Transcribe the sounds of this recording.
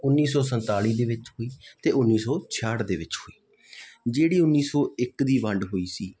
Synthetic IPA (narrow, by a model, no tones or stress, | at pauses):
ʊnːiːsɔːsənt̪aːɭiːd̪eːʋɪt͡ʃɦoːiːt̪eːʔʊnːiːsɔːt͡ʃʰaːɽd̪eːʋɪt͡ʃhoːiː | d͡ʒeːɽiːʊnːiːsɔːɪkd̪iːʋəɳɖɦoːiːsiː